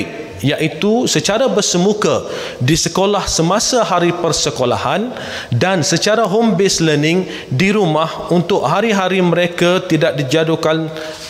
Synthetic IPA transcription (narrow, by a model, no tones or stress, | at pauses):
jaʔit̪usət͡ʃaɾabərsəmuka | disəkolahsəmãsaɦaɾipərsəkola̰han | dansət͡ʃaɾaɦombɪslənɪŋ | diɾumahunt̪ʊʔ̚haɾiɦaɾimə̃ɾekat̪idaʔ̚did͡ʒadukan